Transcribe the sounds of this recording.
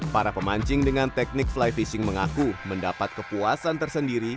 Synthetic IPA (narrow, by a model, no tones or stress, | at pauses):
paɾapəmaɲt͡ʃɪŋdəŋant̪ɛk̚nɪk̚flajfisɪŋməŋakuməndapat̪̚kəpuasant̪ərsəndiɾi